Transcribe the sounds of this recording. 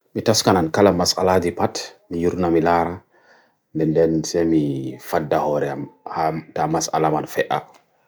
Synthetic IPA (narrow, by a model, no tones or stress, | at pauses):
mitaskanankalamːasʔa̰ladipatmijuɾnamilaɾa | ndɛndɛnsɛmifadːahɔɾɛamhatamasa̰lamanfɛʔa̰